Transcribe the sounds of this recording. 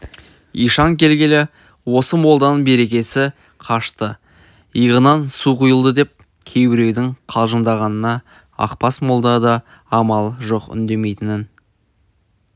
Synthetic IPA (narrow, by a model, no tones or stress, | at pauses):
ijʃɑŋkʲʰe̞lɡʲe̞lɪ | wo̞səmo̞lˠd̪ɑnəɴbe̞ɾe̞kʲe̞sɪ | qʰɑʃt̪ə | ijʁənɑnsuqujəlˠd̪əd̪e̞p̚ | kʲʰe̞jbɪɾe̞wd̪ɪŋqʰɑlˠʒənd̪ɑʁɑnənɑ | ɑ̰qpɑsmo̞lˠd̪ɑd̪ɑ | ɑmɑlˠʒo̞qʏ̰nd̪e̞me̞jt̪ɪnɪn